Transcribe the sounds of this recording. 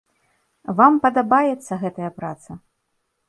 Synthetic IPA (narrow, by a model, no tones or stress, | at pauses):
vampɐd̪ɐbajɛt̪sːɐɣɛt̪ɐjɐpɾa̰t̪sɐ